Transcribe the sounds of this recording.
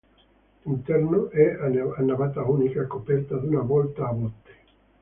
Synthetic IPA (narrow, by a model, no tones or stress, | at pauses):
int̪ɛrnoʔɛaanːavat̪aunikakopɛrt̪ad̪unavɔlt̪aːvot̪ːe̥